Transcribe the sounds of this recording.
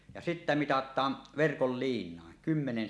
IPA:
jɑ sitːæ mitɑtˑɑːn ʋerkol liːnˑɑˑen kymːenen

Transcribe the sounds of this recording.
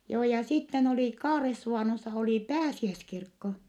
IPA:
joː jɑ sitːen oli kɑːresːuʋɑˑnosːɑ oli pæːsiæskirkːo

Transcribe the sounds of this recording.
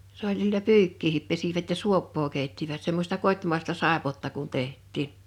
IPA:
s olʲ silːæ pyːkːiːhip pesiʋæt jɑ suopːoː keˑitːiʋæt semːosʲtɑ kotʲmɑˑestɑ sɑˑepotːɑ kun tehtˑiːn

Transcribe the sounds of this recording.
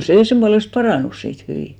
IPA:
seˑ semb̥uɑlest pɑrɑˑnus siːt hyʋiˑ

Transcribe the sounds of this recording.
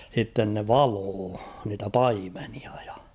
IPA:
sitːen ne ʋɑloː niːtæ pɑimeniɑ j̊ɑ̥

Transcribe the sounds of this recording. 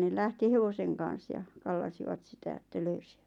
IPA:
ne læhti heʋoseŋ kɑn̞s jɑ kɑlːɑsiʋɑt sitæ etːæ løysiʋ̥æ̥t

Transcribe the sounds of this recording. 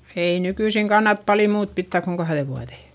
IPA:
ei nykyisiŋ kɑnːɑt pɑli muːt pitːæˑk koŋ kɑhðe ʋuɑðeˑ

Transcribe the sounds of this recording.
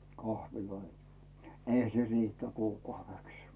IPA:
kɑhʋiloi nĕ eihæ se riːtˑæ kuːkɑuʋeks

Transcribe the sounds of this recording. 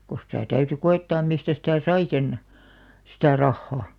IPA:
ko sĭtæˑ tæyty koetːɑːm̆ mistæ sitæˑ sɑi sen sitæˑ rɑhːɑ

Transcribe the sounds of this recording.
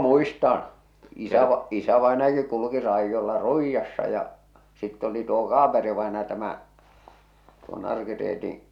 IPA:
muistɑn̞ isæʋɑ isæʋɑˑenɑjɑki kuluki rɑijːolːɑ ruijːɑsːɑ jɑ sitː oli tuo kɑːperiʋɑenɑjɑ tæmæ tuo nɑrkireːtĩː

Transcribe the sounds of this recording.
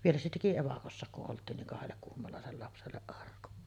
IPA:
ʋielæ se teki eʋɑkosːɑˑek kuʔ ʔoltˑiːn niŋ kɑhelːek kuhmolɑˑesel lɑpselːeʔ ʔɑrkun

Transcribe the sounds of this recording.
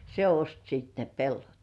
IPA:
se ost sit ne pelːot

